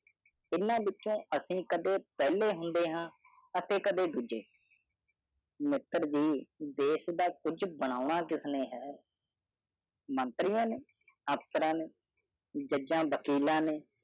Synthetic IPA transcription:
ɪnãːʋɪt͡ʃːõːəsĩːkəd̪eːpɛːleːɦʊnd̪eːɦãː | ət̪eːkəd̪eːd̪uːd͡ʒeː | mɪt̪ːəɾd͡ʒiːd̪eːsd̪aːkʊd͡ʒbəɽ̃aːʊɳaːkɪsnẽːɦɛː | mənt̪ɾɪjãːneː | əpsəɾãːneː | d͡ʒəd͡ʒãːbəkiːlãːneː

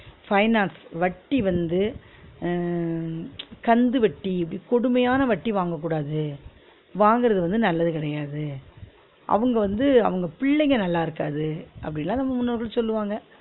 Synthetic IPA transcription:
fɐɪnaːnsʋɐʈːiʋɐnd̪ɯ | kɐnd̪ɯʋɐʈːiɪpːɐɽikɔɽɯmɐjaːnɐʋɐʈːiʋaːŋɡɐkːuːɽaːðɯ | ʋaːŋɡɪɾɐðɯʋɐnd̪ɯnɐlːɐðɯkɪɽɐjaːðɯ | ʔɐ̰ʋɯŋɡɐʋɐnd̪ɯɐ̰ʋɐŋɡɐpɪɭːɛŋɡɐnɐlːaːɪɾɯkːa̰ːðɯʔɐ̰pːɐɽɪnlːãːnɐmːɐmʊnːɐɾɣɐlsɔlːɯʋaːŋɡɐ

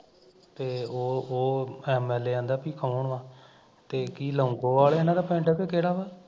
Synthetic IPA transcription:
t̪eːoːoːɛːmɛːleːãːnd̪aːpiːkʰəoɳʋãː | t̪eːkiːləːŋɡõːʋaːleenãːd̪aːpɛ̃ːɳʈɛːpeːkeːɽaːʋaː

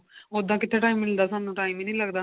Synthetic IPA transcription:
od̪ːãːkɪt̪ʰːeːʈaːimːɪld̪aːsãnũʈaːiminə̃ĩlɐɡd̪aː

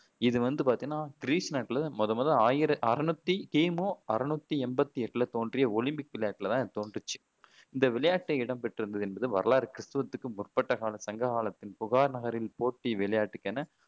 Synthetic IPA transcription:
ɪðɯʋɐnd̪ɯpaːɾt̪ɪ̃ŋnːaːɡɪɾiːsnaːʈːɪlɐmɔðɐmɐːðɐaːjɪɾɐʔɐɾɐnut̪ːikeːmoːɐɾɐnut̪ːiɛmbɐt̪ːiɛʈːɯlɐt̪oːndrɪjɐɔlɪmbɪk̚ʋɪlɐjaːʈːɪlɐt̪ãːɯt̪oːnɖrɯt͡ʃːɯ̥ | ɪnd̪ɐʋɪɭɐjaːʈːɪɐɪɽɐmpɛʈːɯɾɯnd̪ɐðɯɛnbɐðɯʋɐɾɐlaːɾkɪɾɪst̪ɯʋɐt̪ːɯkːɯmʊrpɐʈːɐɣaːlɐsɐŋɡɐɣaːlɐt̪ːɪnpʊɣaːɾnɐɣɐɾɪlpoːʈːiʋɪɭɐjaːʈːɯkːɐnɐ

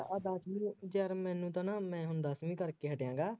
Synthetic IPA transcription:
əd̪aːsmĩːd͡ʒəɾmɛ̃ːnũːt̪ãːnaːmɛ̃ːɦʊnd̪aːsmĩːkəɾkeːɦəʈjãːŋɡaː

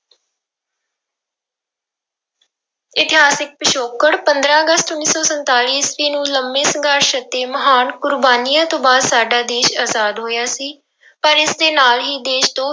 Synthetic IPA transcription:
ɪt̪ɪɦaːsɪk̚pəʃoːkəɽpənd̪ɾãːəɡəst̪ʊnːiːsɔːsənt̪aːliːsʋiːnũːləmːeːsəɡaːɾʃət̪eːməɦaːnkʊɾbaːniːãːt̪õːbaːd̪saːɖaːd̪eːʃaːzaːd̪ɦoːjaːsiː | pəɾɪsd̪eːnaːlɦiːd̪eːʃt̪õː

